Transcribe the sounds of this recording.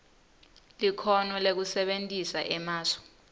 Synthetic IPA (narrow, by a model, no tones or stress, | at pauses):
likʰɔnɔlek̬usɛɓentʼisaʔɛmaːsɔ̥